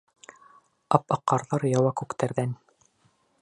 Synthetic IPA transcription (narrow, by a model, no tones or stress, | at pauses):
ɑpɑqːɑɾðɑɾjɑwɑkʉkt̪æɾðæn